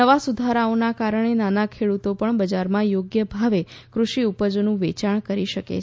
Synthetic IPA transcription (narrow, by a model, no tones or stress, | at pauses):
əʋasud̪ʱaɾaonakaɾəɳ̃enanakʰeɽut̪opəɳbəd͡ʒaɾmãjoɡjəbʱaʋekɾuʃiupəd͡ʒonũʋet͡ʃaɳ̃kəɾiʃəkḛ